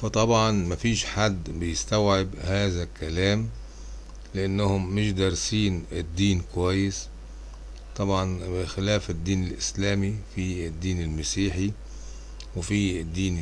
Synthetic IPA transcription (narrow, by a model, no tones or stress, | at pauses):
fɑt̪ˤɑbʕɑnmafiːʃħad̪ːbɪjɪst̪awʕɪbhaːðakalaːm | lɪʔanːahʊmːɪʃd̪ɑɾˤsiːnɪd̪ːiːnkwajːɪs | t̪ˤɑbʕɑnbɪxɪlaːfɪd̪ːiːnɪlʔɪslaːmifid̪ːiːnɪlmasiːħi | wfid̪ːiːn